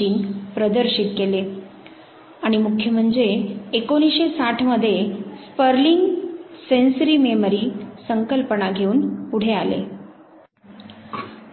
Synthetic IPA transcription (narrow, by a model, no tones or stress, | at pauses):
iːnpɾəd̪əɾɕit̪kele | aɽ̃imukʰjəm̤əɳd͡zeːkoɽ̃iɕesaʈʰməd̪ʱːjespəɾliŋɡsensɾiːmeməɾiːsəŋkəlpənaɡʱeuːnpuɽ̤ealḛ